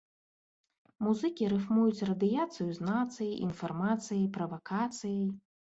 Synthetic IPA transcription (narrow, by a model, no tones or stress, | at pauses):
muzɨkʲiɾɨfmujut͡sʲrɐd̪ɨjat̪sɨjuznat̪sɨjiʔḭnfarmat̪sɨjɐjpɾɐvakat̪sɨjɐj